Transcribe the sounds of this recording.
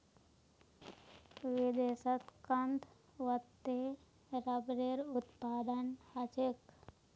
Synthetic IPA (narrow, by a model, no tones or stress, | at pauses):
ʋɪd̪eːsət̪kənd̪ | ʋət̪ːe | ɾəbɾeɾut̪paːd̪ənhat͡ʃek